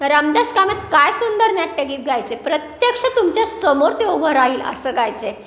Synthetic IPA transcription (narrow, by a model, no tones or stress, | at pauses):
ɾəmd̪askamat̪̚kajsund̪əɾnjaʈːəɡiːt̪̚ɡʱajt͡sepɾət̪jəkʂət̪umt͡ɕjasəmoɾt̪eobʱəɾaiːlə̰səɡajt͡se